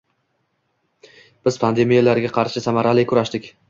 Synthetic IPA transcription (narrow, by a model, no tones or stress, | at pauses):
b̥ɪzpʰand̪e̞mijalaɾɡʲaqʰɑɾʃɪsamaɾalɪkʰʊɾaʃd̪ɪkʲ